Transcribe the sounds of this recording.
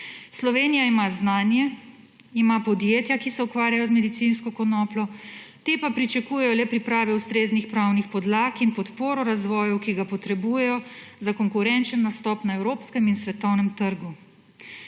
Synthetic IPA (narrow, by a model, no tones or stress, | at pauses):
slɔʋeːnijaimaznaːnjɛ | imapɔd̪jeːt̪jakisɛukʋaːɾjajɔzmɛd̪it̪sinskɔkɔnɔːplɔt̪epapɾit͡ʃakuːjɛjɔlɛpɾipɾaːʋɛust̪ɾeːznixpɾawnixpɔd̪laːkinpɔt̪poːɾɔɾazʋɔːjɔwkiɡapɔt̪ɾɛbujɛjɔzakɔŋkuɾɛnt͡ʃənːast̪ɔːpnaɛwɾoːpskɛminsʋɛt̪ɔwnɛmt̪əɾɡu